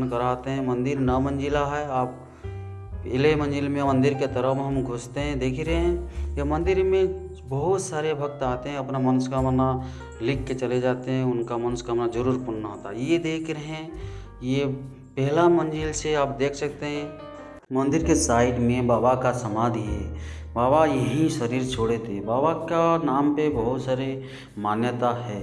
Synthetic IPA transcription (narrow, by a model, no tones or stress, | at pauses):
nkəɾat̪eɦɛ̃mɐ̃nd̪ɪɾnamə̃nd͡ʒɪlaɦɛaːp̚ | ɪlemɐ̃nd͡ʒɪlmẽmə̃nd̪ɪɾket̪əɾəpɦɐmɡʱʊst̪eɦɛ̃d̪eːkʰɾeɦɛ̃jemɐ̃nd̪ɪɾmẽ | bɐɦʊt̪saːɾebʱɐk̚t̪aːt̪eɦɛ̃ɐpnamənskamna | lɪkːet͡ʃɐled͡ʒaːt̪eɦɛ̃ʊnkamɐnskaːmnad͡ʒəɾuːɾpʊnnaɦoːt̪aɦɛjed̪eːkʰɾəɦɛ̃ | je | pɛɦlamɐ̃nd͡ʒilseaːp̚d̪eːkʰsɐkt̪eɦɛ̃ | mɐ̃nd̪ɪɾkesaːɪʈmẽbaːbakasɐmaːd̪ʱiɦɛː | baːbajɐɦĩʃɐɾiːɾt͡ʃʰoːɽet̪ʰebaːbakanaːmpebɐɦʊt̪saːɾe | maːnjət̪aɦɛː